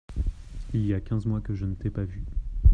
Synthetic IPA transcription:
ilijakʲɛ̃zmwakəʒənət̪ɛpavy

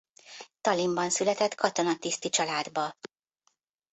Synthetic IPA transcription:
t̪ɒlimbɒnsylɛt̪ɛt̪kɒt̪o̞nɒt̪ist̪it͡ʃɒlaːd̪bɒ

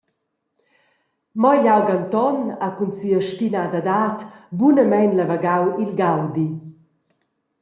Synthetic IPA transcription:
mɔjʎawɡant̪ɔnakunsiəʃtinad̪ad̪aːt̪bunəmɛnlavaɡawilɡawd̪i

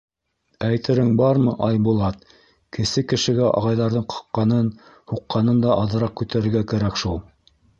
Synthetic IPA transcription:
æjt̪ɘ̆ɾɘŋbɑɾmɤʔɑjbulˠɑt̪ | kɘ̆sɘkɘ̆ʃɘ̆ɡæʔɑ̰ʁɑjðɑɾðɤɴqʰɑ̥qːɑnɤn | huqːɑnɤnd̪ɑʔɑðɤ̆ɾɑq̚kʉt̪æɾɘ̆ɾɡækæɾækʃulˠ

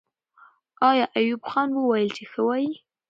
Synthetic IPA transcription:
ɑjɑʔajubxɑnwəwɑjəlt͡ʃexəwɑji

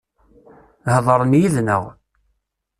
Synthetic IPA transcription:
hðˤəɾˤənjiðnə̰ʁ

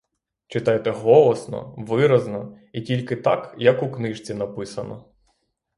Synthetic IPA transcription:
t͡ʃɪt̪ɑjt̪ɛɦɔlˠɔsnɔ̰ʋɪɾɐznɔ | itʲilʲkɪt̪ɑ̰kjɐkuknɪʒt͡sʲinɐpɪsɐnɔ̰

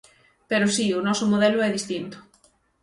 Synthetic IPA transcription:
peɾʊsiʊnɔsomoðɛloɛðist̪int̪ʊ̥

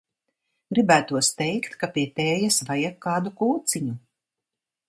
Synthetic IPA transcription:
ɡɾibæːt̪uɔst̪ɛjkt̪kapiɛt̪ɛːjasvajakʰːaːd̪ukuːt̪siɲu

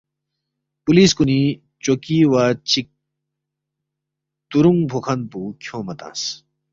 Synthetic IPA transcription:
puliːskuni | t͡ɕokiwat͡ɕi | t̪uɾuŋbʱokʰɐnpukʰjõːmɐt̪ã̰ːs

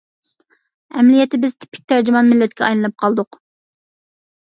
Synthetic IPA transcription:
ɛmlijɛt̪ɪbɪz̥t̪ʰɪ̥pʰːɪ̥k̚ʲt̪ʰæɾd͡ʒɪmɑnmɪlːɛt̪kʲʰɛɑjlˠɨnɨp̚qʰɑlˠd̪ʊq

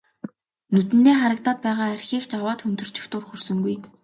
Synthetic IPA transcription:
nɵt̪ɘ̆nːeːχaɾə̆k̚t̪aːt̪̚pæːʁaːærʲxʲiːkt͡ɕawaːt̪xɵnt̪ɵ̆r̥t͡ɕɪ̥̆xt̪ʊrxursɵ̆ŋɡuj

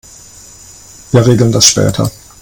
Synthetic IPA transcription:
viːɐʁeːɡl̩ndasʃpɛ̰ːtʰɐ̰

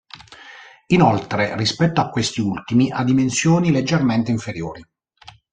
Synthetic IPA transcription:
inolt̪ɾerispɛt̪ːoakːwest̪iult̪imiʔad̪ːimensjoːniled͡ʒːerment̪eiɱfeɾjoːɾi

